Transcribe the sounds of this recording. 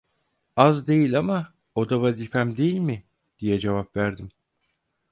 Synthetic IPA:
azd̪e̞jilʲama | o̞d̪avaziːfæmd̪e̞jilʲmɪ | d̪̥ijɛd͡ʒevapvæɾd̪im

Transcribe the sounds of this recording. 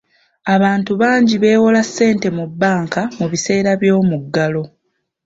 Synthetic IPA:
aβaːntuβaːɲɟiβe̞ːwolasːe̞ːnte̞mubːaːŋkamuβise̞ːɾaβjo̞ːmuɡːalo̞

